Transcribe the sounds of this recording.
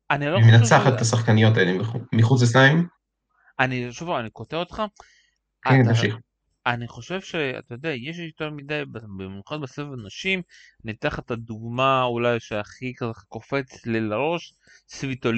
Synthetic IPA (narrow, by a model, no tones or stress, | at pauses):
anilomenat͡seaχat̪t̪asaχkanijo̞t̪ajodimbeχumiχut͡seslaim | aniʃovaniko̞t̪eot̪χa | kenamʃiχ | aniχo̞ʃe̞vʃea̰t̪ajod̪eajeʃ̬ʃit̪olmid̪ajbabemenuχat̪̚besefenaʃim | nit̪eaχet̪ad̪uɡmaulajʃeaχikazeko̞fe̞t͡slelaʁo̞ʃ | svit̪ol